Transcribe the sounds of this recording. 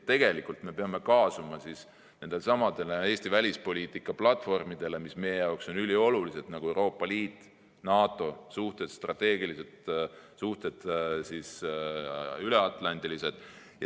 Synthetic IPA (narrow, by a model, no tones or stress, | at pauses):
t̪ːe̞ɡ̥e̞likˑult̪me̞pe̞ɑme̞kɑːsumɑsis | ne̞nd̪esɑmɑd̪̥e̞lee̞ːsʲt̪ivælʲispo̞lʲiːt̪ːˑikːˑɑplɑt̪ːˑfo̞rmid̪̥e̞le̞mismejejɑokso̞nylʲio̞lulise̞d̪nɑɡ̥ue̞wɾo̞ːpːˑɑliːt̪ːˑ | nɑːt̪ːˑo̞suht̪e̞d̪̥st̪rɑt̪ːe̞ːɡ̥iliset̪suht̪e̞d̪̥sis | yleɑt̪ˑlɑnd̪̥ilised̪̥ | jɑ